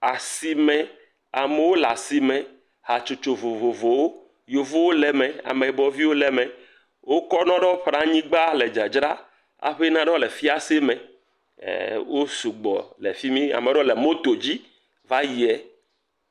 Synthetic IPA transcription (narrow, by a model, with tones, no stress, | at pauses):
a˨si˨mɛ̃˨ | a˨me˨wo˦la˨si˨mẽ˨ | ha˨t͡ʃo˨t͡ʃo˨vo˨vo˨vo˨wo˦ | jo˨vo˦wo˦lɛ˨mẽ˨a̰˨mẽ˨bɔ˨vi˦wo˦lɛ˨mẽ˨ | wo˦kɔ˦nɔ̃˦ɖɔ˦ɸɾã˦ɲĩ˦ɡ͡ba˦le˨d͡ʒa˨d͡ʒɾa˦ | a̰˨ɸe˦nã˦ɖɔ̃˦le˨fi˦a˦se˦mḛ̃˨˦˨ | wo˦su˨ɡ͡bɔ̰˨lḛ˨fi˦mĩ˦a̰˨me˨˦ɖɔ˦lɛ˨mo˦t̪o˨d͡ʑi˦ | va˦ji˨ɛ˨